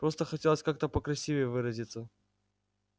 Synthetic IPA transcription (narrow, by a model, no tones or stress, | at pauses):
pɾo̞st̪əxɐtʲelˠəsʲkak̚t̪əpəkɾɐsʲivʲevɨɾəzʲit̪sə